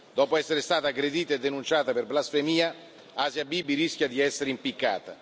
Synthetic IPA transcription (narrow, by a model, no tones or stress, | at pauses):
d̪ɔːpoɛsːeɾest̪aːt̪aːɡɾed̪iːt̪aed̪ːenunt͡ʃaːt̪aperblasfemiːa | aːzjabiːbːiɾiskʲjad̪iɛsːeɾeimpikːa̰ːt̪a